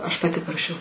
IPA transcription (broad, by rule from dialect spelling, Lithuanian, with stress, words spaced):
ˈɐʃ pɐˈtʲɪ pɐrɐˈʃʲɛʊ